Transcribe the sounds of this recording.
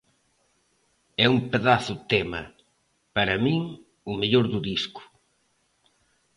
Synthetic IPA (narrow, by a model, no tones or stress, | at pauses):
ɛumpeðaθʊt̪ɛmɐ̰ | pɐɾɐmĩŋ | ʊmeʎoɾðʊðiskʊ̥